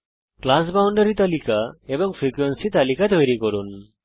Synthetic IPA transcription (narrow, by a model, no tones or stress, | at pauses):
klas̬bawɳɖəɾit̪alikaebɔŋfʰɾikuwensit̪alikat̪ɔjɾikɔɾun